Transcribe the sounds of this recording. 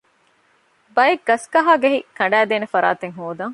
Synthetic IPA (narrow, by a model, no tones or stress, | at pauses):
bɐjeɡːɐskɐɦaːɡɐɦikɐɳɖæːd̪eːnefɐɾa̰ːt̪eŋɦoːd̪ɐŋ